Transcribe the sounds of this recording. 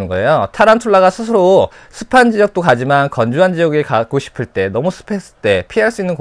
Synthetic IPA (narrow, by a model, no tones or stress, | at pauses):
ɯnɡʌe̞jotʰaɾantʰoɭːaɣasʰɯsʰɯɾo | sʰɯpʰand͡ʑijʌk̚t͈okad͡ʑimankʌnd͡ʑuɦand͡ʑijʌɡekak͈oɕʰi̥pʰɯɭt͈e̞nʌmusʰɯ̥pʰes͈t͈e̞pʰiɦaɭs͈uinːɯnk